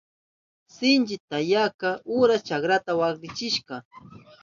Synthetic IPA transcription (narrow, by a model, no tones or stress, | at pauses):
sɪnt͡ʃɪt̪ajakaʊɾast͡ʃakɾat̪awakɾɪt͡ʃɪʃka